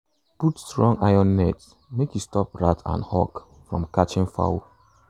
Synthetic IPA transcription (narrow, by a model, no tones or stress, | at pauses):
putstɹɔ̃ŋaɪjɔ̃nːɛts | mekjustɔp̚ɹatʰã̰nhɔk | fɹɔ̰̃mkat͡ʃɪ̃ŋfa̰wo